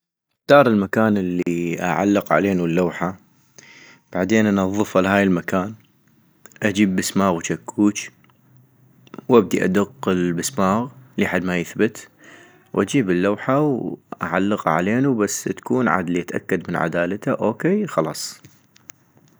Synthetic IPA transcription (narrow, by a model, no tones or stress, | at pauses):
d̪̥ɑːɾˤɪlmakaːnɪlːiʔa̰ʕa̰lːəqʕa̰leːnulːawħa | b̥aʕd̪eːnʔanɑðˤːɨfalhaːjɪlmakaːn | ʔad͡ʒiːbːɪsmaːɣwt͡ʃakːuːt͡ʃ | wʔab̚d̪iʔa̰d̪ʊqːɪlbɪsmaːɣliħad̪ːmajɪθbɪt̪ | wʔad͡ʒiːbɪlːawħawʔa̰ʕalːəqʕa̰leːnubasːt̪ḁkuːnʕa̰ːd̪liʔat̪ʔa̰kːad̪mɪnʕa̰d̪aːlat̪aʔoːkeːxɑlɑːsˤ